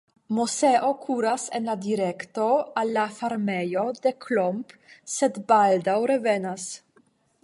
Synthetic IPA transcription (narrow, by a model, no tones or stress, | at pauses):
mɔsɛːʔokʰuːɾasɛnlad̪iɾɛkt̪oalːafaɾmɛːjod̪ekʰlɔmpsɛd̪bald̪awɾɛvɛːnas